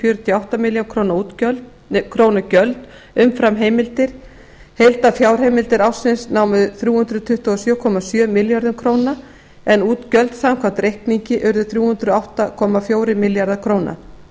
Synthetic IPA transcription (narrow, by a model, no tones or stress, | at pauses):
fjœɾʏt̪ʰijɔawht̪amɪljownkʰɾownauːt̪œlt | kʰɾoːwnacœlt̪ | ʏmfɾamɦeːjmɪlt̪ɪɾ̥ | hejlt̪afjaːwɾ̥ɦejmɪlt̪ɪɾawsɪnsnaːwmʏðʏθɾjuːhʏnd̪ɾʏt̪ʰʏht̪uɔsjœːkʰɔmasjœːmɪljaɾðʏmkʰɾoːwna | ɛnuːt̪cœlt̪samkʰamt̪ɾejhkniɲcɪʔʏɾðʏθɾjuːhʉnd̪ɾʏawht̪akʰɔːmafjoːwɾɪmɪljaɾðakʰɾoːwnʔa̰